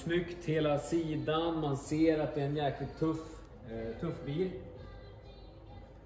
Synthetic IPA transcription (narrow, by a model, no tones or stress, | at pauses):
smʏkt̪heːlasiːd̪anmanseːɾat̪̚d̪ɛːɾɛnjæːɾklɪt̪ʰːɵf | t̪ʰɵfːbiːl